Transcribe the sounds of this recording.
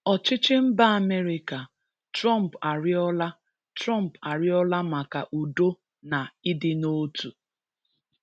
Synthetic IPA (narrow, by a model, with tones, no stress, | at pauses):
ɔ˨t͡ʃɪ˦t͡ʃɪ˦m̩˦ba˦a˨me˦ɾɪ˦ka˨ | tɾɔ˦˨m̩˨pa˨ɾɪ˦ɔ˦la˦ | tɾa˦m̩˨pa˨ɾɪ˦ɔ˦la˦ma˨ka˨ʔu˨do˦ | na˨ɪ˦dɪ˦no˦tu˨